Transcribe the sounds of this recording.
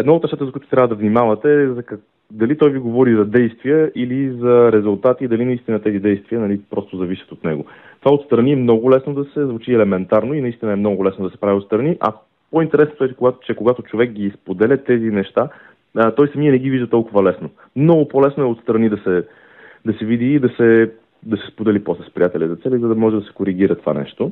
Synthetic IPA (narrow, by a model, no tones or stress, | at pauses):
ɛd̪naot̪nɛʃt̪at̪əzɐkuʊjit̪ʊt̪ɾʲavəd̪ɐvnimavɐt̪ɛzɐk | d̪ɐlit̪ɔjviɡovɔɾizɐd̪ɛjst̪vijəʔilizɐɾɛzulˠt̪at̪id̪ɐlinɐist̪inət̪ɛzid̪ɛjst̪viənɐlipɾɔst̪ʊzɐviʃə̥t̪ot̪nɛ̰ɡo | t̪ovaot̪st̪ɾɐniɛmnɔɡʊlɛsnod̪ɐsɛzvut͡ʃiɛlɛmɛnt̪aɾnoinɐist̪inəɛmnɔɡʊlɛsnod̪ɐsɛ̥pɾavʲiot̪st̪ɾɐniʔɐ̰ | point̪ɛɾɛsnot̪ʊɛt͡ʃɛkoɡat̪t͡ʃɛkoɡat̪ʊt͡ʃovɛk̚ɡispod̪ɛlʲɐt̪ɛzinɛʃt̪a | t̪ɔjsɐmiɐnɛɡ̟iviʒd̪ət̪ɔlˠkʊvɐlɛsno | mnɔɡʊpɔlɛsnoɛot̪st̪ɾɐnid̪ɐsɛ | d̪ɐsɛvid̪iːd̪ɐsɛ | d̪ɐsɛspod̪ɛlipɔslɛspɾḭjat̪ɛlʲəzɐt̪sɛlizɐd̪ɐmɔʒɛd̪ɐsɛ̥koɾiɡ̟iɾət̪ova̰nɛ̰ʃt̪o